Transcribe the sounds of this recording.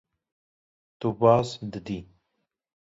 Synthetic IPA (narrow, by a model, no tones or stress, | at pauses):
t̪ubɑːsd̪əd̪i